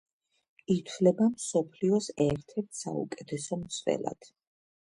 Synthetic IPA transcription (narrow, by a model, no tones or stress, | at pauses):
it̪ʰvlɛbamsɔpʰliɔsɛɾt̪ʰɛɾt̪ʰsa̰ṵkʼɛt̪ʰɛsɔmt̪sʰvɛ̰la̰d̪̥